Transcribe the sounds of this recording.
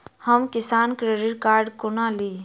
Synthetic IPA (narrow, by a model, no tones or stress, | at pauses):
həmkɪsaːnkɾəɾiɾkaːɾɖkʊnaːli